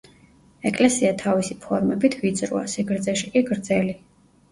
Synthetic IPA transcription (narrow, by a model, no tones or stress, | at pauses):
ɛkʼlɛsiat̪ʰavisipʰɔɾmɛbit̪ʰvid̪zɾṵa̰siɡɾd̪zɛʃikʼiɡɾd̪zɛli